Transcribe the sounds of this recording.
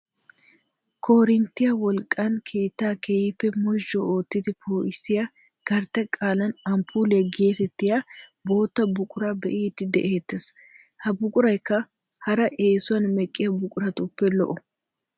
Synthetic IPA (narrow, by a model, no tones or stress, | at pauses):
kʰoːɾɪnt̪ːɪjɐwɔlkʼːɐnkʰe̞ːt̪ːaːkʰejɪpːɛmɔʒːɔoːt̪ːɪd̪ɪpʰoːʔɪsɪjɐ | ɡ̥ɐɾt̪ɛkʼaːlɐnɐmpʰuːlɪɐɡeːt̪ɛt̪ːɪjabo̞ːt̪ːɐbʊkʼʊɾabɛ̰ʔiːt̪ːɪd̪ɛ̰ʔeːt̪ːɪs | hɐbʊkʼʊɾɐjkːɐ | hɐɾɐʔe̞ːsʊwɐnmɛkʼːɪjɐbʊkʼʊɾɐt̪ʊpːɛlɔ̰ʔɔ